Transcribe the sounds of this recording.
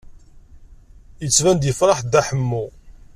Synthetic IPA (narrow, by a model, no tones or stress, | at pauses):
jət͡sːvænd̪jəfɾˤɑħd̪æħəmːu